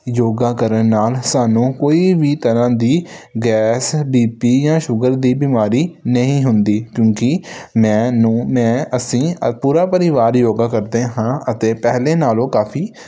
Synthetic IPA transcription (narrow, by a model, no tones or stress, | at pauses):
joːɡaːkəɾənːaːlsaːnũːkoːiːʋiːt̪əɾãːd̪iːɡɛːsbiːpiːjãːʃʊɡəɾd̪iːbiːmaːɾiːnəɦĩːɦʊnd̪iːkjõːkɪmɛ̃ːnũːmɛ̃ːəsĩːpuːɾaːpəɾɪʋaːɾjoːɡaːkəɾd̪eːɦãːʔət̪eːpɛɦleːnaːlõːkaːpʰiː